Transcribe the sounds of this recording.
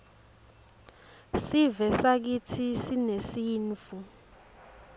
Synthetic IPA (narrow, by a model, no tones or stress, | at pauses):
sivɛsak̬itʰisinesiːnfu